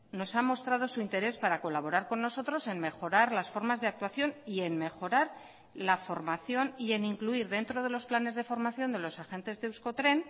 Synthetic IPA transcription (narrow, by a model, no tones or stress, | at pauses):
no̞samo̞st̪ɾað̞o̞suint̪e̞ɾe̞spaɾako̞laβo̞ɾaɾko̞nːo̞so̞t̪ɾo̞se̞nme̞xo̞ɾaɾlasfo̞ɾmazðe̞ak̚t̪waθjo̞nie̞nme̞xo̞ɾaɾ | lafo̞ɾmaθjo̞nie̞niŋkluiɾðe̞nt̪ɾo̞ð̞e̞lo̞splane̞zðe̞fo̞ɾmaθjo̞nd̪e̞lo̞saxe̞nt̪e̞zðeuskot̪ɾe̞n